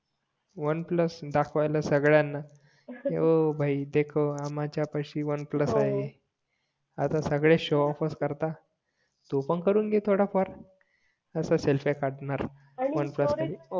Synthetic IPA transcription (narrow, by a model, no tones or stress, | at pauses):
ʋənpləsd̪akʰʋajləsəɡɭjanːa | eobʱaid̪ekʰoamat͡ɕjapaɕiːʋənpləsaɦe | at̪asəɡɭeɕoɔfəskəɾt̪a | t̪upəɳkəɾuːnɡet̪ʰoɽapəɾ | əsaselfekaɽɳaɾ | ʋənpləskaɾ